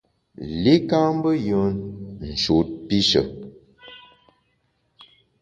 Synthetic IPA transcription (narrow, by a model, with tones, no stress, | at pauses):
le˦ka˦m˦bə˦jə˨˦nn̩˨ʃo˨˦t̚pi˦ʃə̰˨